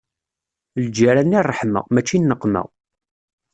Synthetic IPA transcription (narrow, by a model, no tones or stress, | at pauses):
ld͡ʒaɾænːirˤːəħmə̰ʁmæt͡ʃːinːəqːmə̰ʁ